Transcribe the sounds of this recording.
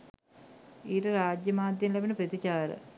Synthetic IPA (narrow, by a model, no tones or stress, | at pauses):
iːɾɨɾaːd͡ʑjɐmaːd̪jɐnleʋɐnɨpɐt̪it͡ɕaːɾɐ̰